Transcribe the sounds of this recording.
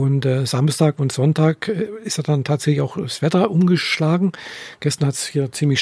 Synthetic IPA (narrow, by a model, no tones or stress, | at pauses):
ʊntːz̥amstaːkʊntz̥ɔntaːkɪsteːɐdantʰaːtz̥ɛçlɪçaʊxsv̥ɛtɐʔʊmɡəʃlaːɡŋ̩ɡ̥ɛstɐnhatshiːɐt͡siːmlɪçʃ